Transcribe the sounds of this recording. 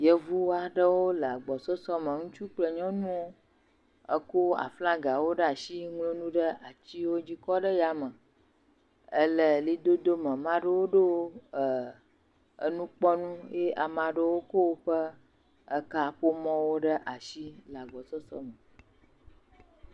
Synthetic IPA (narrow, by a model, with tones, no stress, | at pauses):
jə˦vu˦wa˨ɖə˦wo˦lə˨a˨ɡ͡bɔ˨sɔ˦sɔ˦mə̃˨ŋũ˦t͡ʃu˦k͡plə˨ɲɔ̃˦nũ˦wo˦ | ə̰˦ko˦a̰˨flã˦ɡa˨wo˦ɖə˦a˨ʃi˦ŋlo˦nũ˦ɖə˦a˨t͡ɕi˦wo˦d͡ʑi˦kɔ˦ɖə˦ja˨mə˨ | ə˦lə˨li˦d̪o˦d̪o˦mə̃˨mã˦ɖə˦wo˦ɖə˦wo˦ə˨ | ə̰˦nũ˦k͡pɔ˦nũ˦je˦ʔa˨mã˨ɖə˦wo˦ko˦wo˦ɸə˦ | ə˦ka˦ɸo˦mɔ̃˦wo˦ɖə˦ʔa˨ʃi˦lə˨a˨ɡ͡bɔ˨sɔ˦sɔ̰˦mə˨